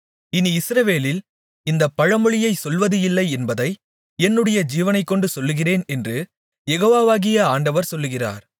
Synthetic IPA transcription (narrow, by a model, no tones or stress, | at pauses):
ɪniɪsɾɐʋeːlɪl | ɪnd̪ɐpːɐɻɐmɯɭɪjɐɪsɔlʋɐðɯɪlːɐɪɛnbɐðɐɪ | ɛnːɯɽɐjɐd͡ʒiːʋɐnɐɪkːɔɳɖɯsɔlːɯɣɪreːnɛndrɯ | jɛɣoːʋaːʋaːɣɪjɐaːɳɖɐʋɐɾsɔlːɯɣɪra̰ːɾ